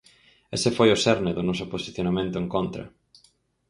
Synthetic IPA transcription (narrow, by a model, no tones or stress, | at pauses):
ḛsɪfojʊsɛɾnɪðʊnɔsʊposiθjonamẽnt̪ʊeŋkont̪ɾɐ̰